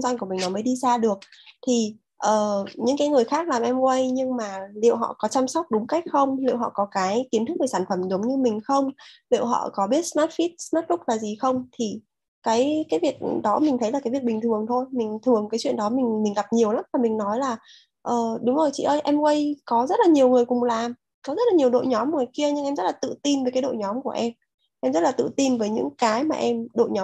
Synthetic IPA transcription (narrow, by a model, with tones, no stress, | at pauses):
zwa˧nku˧˩mï˨˩ŋnɔ˨˦mə˨˦jɗi˧zaː˧ɗɨ˨˩ək̚t̪ʰi˨˩ | ʔəː˨˩ɲɨ̰˧˥ŋkaː˨˦jŋɨ˨˩əjxaː˦˥k̚laː˨˩mʔɛ˧mkwə˧jɲɨ˧ŋmaː˨˩lḭ˧˨əwɦɔ̰˧˨kɔ˨˦t͡ɕa˧msa˦˥wk͡p̚ɗʊ˨˦ŋ͡mka˦˥k̚xə˧wŋ͡mlḭ˧˨wɦɔ̰˧˨kɔ˨˦kaː˨˦jki˨˦ənt̪ɨ˦˥k̚veː˧˩saː˧˩nfə˧˩mzə˨˦wŋ͡mɲɨ˧mï˨˩ŋ̟xə˧wŋ͡mlḭ˧˨wɦɔ̰˧˨kɔ˨˦ɓi˦˥ət̚smaː˦˥t̚fi˦˥t̚smaː˦˥t̚lʊ˦˥k̚laː˨˩zi˨˩xə˧wŋ͡mt̪ʰi˨˩ | kaː˨˦jkaː˨˦jvi˨˩ək̚ɗɔ˨˦mi˨˩ŋt̪ʰə˨˦jla˨˩kaː˨˦jvi˨˩ək̚ɓï̟˨˩t̪ʰɨ˨˩əŋt̪ʰo˧jmï˨˩ŋ̟t̪ʰɨ˨˩əŋkaː˨˦jt͡ɕwḭ˧˨ənɗɔ˨˦mï˨˩ŋ̟mï˨˩ŋ̟ɣa˨˩p̚ɲi˨˩əwla˨˦mvaː˨˩mï˨˩ŋ̟nɔ˨˦jlaː˨˩ | ʔəː˨˩ɗʊ˨˦ŋ͡mzo˨˩jt͡ɕḭ˧˨ʔəː˧jʔɛ˧mkwə˧jkɔ˨˦zə˦˥t̚laː˨˩ɲi˨˩əwŋɨ˨˩əjkʊ˨˩ŋ͡mlaː˨˩m | kɔ˨˦zə˦˥t̚laː˨˩ɲi˨˩əwɗo̰˧˨jɲɔ˨˦m˧˨˩ŋɨ˨˩jki˧əɲɨ˧ŋʔɛ˧mzə˦˥t̚laː˨˩t̪ɨ̰˧˨t̪i˧nvəː˨˦jkaː˨˦jɗo̰˧˨ɲɔ˨˦mku˧˩əʔɛ˧m | ʔɛ˧mzə˦˥laː˨˩t̪ɨ̰˧˨t̪i˧nvəː˨˦jɲɨ̰˧˥ŋkaː˨˦jmaː˨˩ʔɛ˧mɗo̰˧˨jɲɔ˨˦